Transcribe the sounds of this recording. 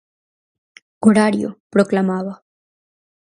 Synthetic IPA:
ɡʱoɽaɽijo̰pɾoklamaʋa

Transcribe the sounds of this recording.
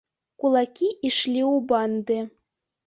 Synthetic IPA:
kulˠɑkʲiʔiʃlʲiubɑnd̪ɘ̆

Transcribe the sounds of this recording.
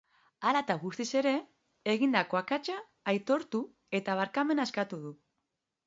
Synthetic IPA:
alat̪aɣust̪ise̞ɾe̞ | eɣind̪ako̞akat͡ʃaː | jt̪o̞ɾt̪u | e̞t̪aβ̞aɾkame̞naeskat̪uðu

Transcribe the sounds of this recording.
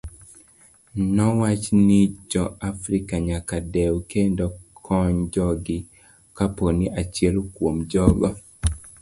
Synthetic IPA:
nɔwat͡ʃnid͡ʒɔafɾikaɲakadɛwkendɔkʰɔɲd͡ʒɔɡɪ | kaponiʔat͡ʃjɛlkwomd͡ʒɔɡɔ

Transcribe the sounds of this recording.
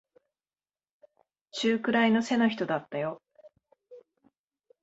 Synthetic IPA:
t͡ɕɨːkɯ̟ɾaino̞se̞no̞çʲi̥t̪o̞d̪at̪ːajo̞

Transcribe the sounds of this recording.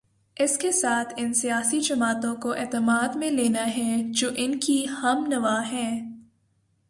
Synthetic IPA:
ɪskesaːt̪ʰɪnsijaːsid͡ʒɐmaːt̪õkoʔɛːt̪əmaːd̪mẽleːnaɦɛd͡ʒoːʔɪnkihɐmnɐʋaːɦɛ̃ː

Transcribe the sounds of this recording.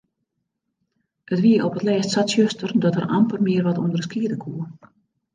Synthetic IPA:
ətʋiːəʔɔpət̪lɛːstsatsjøstərd̪ɔtəɾa̰mpərmiərʋatund̪ərɾskiːdəkʰuːə

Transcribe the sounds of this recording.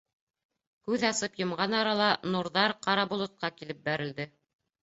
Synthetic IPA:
kʉðɑsɤpjɤ̆mʁɑnɑɾɑlˠɑnuɾðɑɾqɑɾɑbulˠɤ̆t̪̚qɑkilɘp̚bæɾɘ̆ld̪ɘ

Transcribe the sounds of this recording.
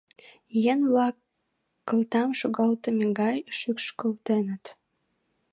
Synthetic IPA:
jenβlɑkː | əlt̪ɑmʃoɣɑlt̪əmeŋɡɑjʃykʃkəlt̪enət̪

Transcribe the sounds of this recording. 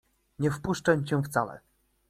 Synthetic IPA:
ɲɛfpuʂt͡ʂamt͡ɕɛ̃ft̪salɛ̰

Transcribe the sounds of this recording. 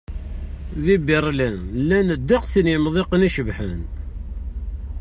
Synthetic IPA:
ðibiɾˤlænlːænəd̪ːəqθinjəmðˤeqniʃəvħə̰n

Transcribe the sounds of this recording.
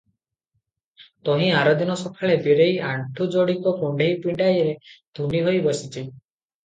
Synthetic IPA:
t̪ɔɦĩaɾɔd̪inɔsɔkʰaɭebiɾejʔaɳʈʰud͡ʒɔɽikɔkuɳɖʱejpiɳɖajɾed̪ʱuɳɖiɦojbɔsit̪ʰi

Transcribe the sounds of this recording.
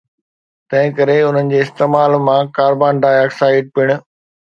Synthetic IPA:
t̪ɐ̃ɦɪ̃kɐɾeʊn̤ənɪ̆d͡ʑeːɪst̪eːmaːlmãkaːɾbaːnɖaːjaːksaːɪɖ̚pɪɽ̃ʊ̆

